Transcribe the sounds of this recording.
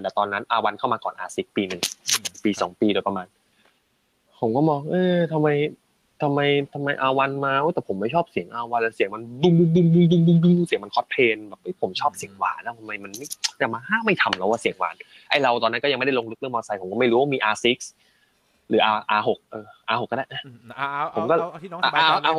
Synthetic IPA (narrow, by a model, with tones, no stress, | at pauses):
lɛː˨˩t̪ɔː˧nːa˦˥nʔaː˧wa˧nkʰa˥˩wmaː˧kɔː˨˩nʔa̰ː˧si˦˥k̚piː˧nɯ˨˩ŋpiː˧sɔ̰ː˩˦ŋpiː˧doː˧jpa˧maː˧n | pʰo˩˦kɔː˥˩mɔː˧˩ŋʔɤː˧t̪ʰa˧mːa˧j | t̪ʰa˧mːa˧jt̪ʰa˧mːa˧jʔaː˧wa˧nmaː˧ʔo˦˥˩t̪ɛː˨˩pʰo˩˦mːa˥˩jt͡ɕʰɔː˥˩p̚si˨˩˦ŋʔaː˧wa˧nlːsi˨˩˦ŋma˧ndu˧ŋdu˧ŋdu˧ŋdu˧ŋdu˧ŋdu˧ŋdu˧ŋ˧si˨˩˦ma˧nkʰɔ˦˥t̪̚pʰeː˧nbɛː˨˩p̚ʔpʰo˨˩˦mt͡ɕʰɔː˥˩p̚si˨˩˦əŋwa̰ː˨˩nlaː˦˥˩t̪ʰa˧ma˧jma˧nma˥˩jja˨˩maː˧haː˥˩ma˥˩jt̪ʰa˧mla˦˥wa˧˩i˨˩˦əŋwa̰ː˨˩n | ʔa˦˥˩jɾa˧wt̪ɔː˧nːa˦˥kɔ˥˩ja˧ŋma˥˩da˥˩lo˧ŋlɯ˦˥k̚lʔɔː˧sa˧pʰo˨˩˦kɔː˥˩ma˥˩jɾuː˦waː˥˩miː˧ʔaː˧si˦˥k̚s | ɾɯː˩˦ʔaː˧ʔaː˧ɦo˨˩k̚ʔɤː˧ʔaː˧ho˨˩kːɔː˧˥˩a˥˩ʔaː˧˩pʰo˨˩˦mkɔ˥˩ʔa˧ʔa˧ʔaː˧˨